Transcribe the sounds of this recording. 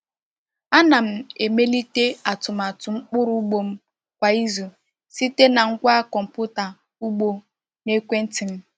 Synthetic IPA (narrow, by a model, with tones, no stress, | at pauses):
a˦na˨m̩˨e˨me˦li˦te˦a˨tʊ˨ma˨tʊ˨ŋ͡m̩˦k͡pʊ˦ɾʊ˦ɡ͡bo˨m̩˦ | kʷa˨i˦zu˨ | si˦te˦na˨ŋ̩˦kʷa˦kɔ˨m̩˨pʊ˦ta˨ | u˦ɡ͡bo˨ | ne˦kʷe˦n̩˦ti˨m̩˦